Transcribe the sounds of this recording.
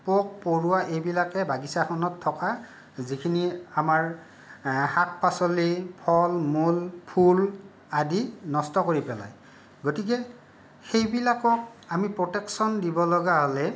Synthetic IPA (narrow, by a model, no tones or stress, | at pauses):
pok̚poɹʊwaʔejbilakɛbaɡisaxʰɔnɔtʰːɔka | zikʰiniamaɹ | hak̚pasolipʰɔlmulpʰul | adinɔstɔkoɹipɛla̰j | ɡotikɛ | xejbilakɔk̚amipɹɔtɛksɔndibɔlɔɡaɦolɛ